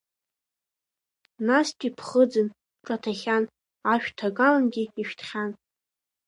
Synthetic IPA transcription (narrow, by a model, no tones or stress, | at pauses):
nastʲʼipʰχəd͡zɨn | ʈ͡ʂʼatʰaχʲan | aʃᶣtʰakʼalanɡʲiiʃᶣtʰχʲan